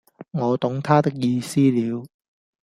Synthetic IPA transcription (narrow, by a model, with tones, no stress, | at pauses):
ŋɔː˨˧t̪ʊ˨˥ŋt̪ʰaː˥t̪ɪ˥k̚jiː˧siː˥liː˨˧w